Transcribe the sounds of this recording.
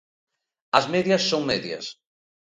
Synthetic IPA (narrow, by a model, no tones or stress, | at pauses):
ɐzmeðjɐsːoŋmeðjɐ̰s